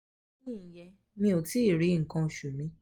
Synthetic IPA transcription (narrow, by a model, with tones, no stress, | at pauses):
nĩ˦˨jɛ˧˦ | mĩ˧o˨ti˨˦i˨ɾi˨˦ŋ̩˨kã˧˨ʃu˨mĩ˨˦